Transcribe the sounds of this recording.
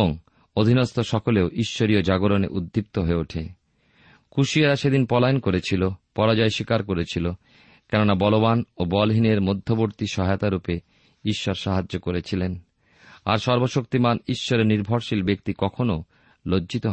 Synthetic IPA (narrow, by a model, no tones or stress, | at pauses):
oŋ | od̪ʱinost̪ʰoʃɔkoleoʔiʃːoɾiod͡ʑaɡoɾonḛʔud̪ʱːip̚t̪oɦoeuʈʰḛ | kʰuʃiaɾaʃed̪inpɔlajonkoɾet͡ɕʰilopɔɾad͡ʑaeʃikaɾkoɾet͡ɕʰilo | kɛnonabɔloβanobɔlɦineɾmod̪ʱːoboɾt̪iʃɔɦajot̪aɾupe | iʃːɔɾʃaɦad͡ʑːokoɾet͡ɕʰilen | a̰ɾʃɔɾboʃok̚t̪imaniʃːɔɾeɾniɾbʱɔɾʃilbek̚t̪ikɔkʰono | lod͡ʑd͡ʑit̪oɦ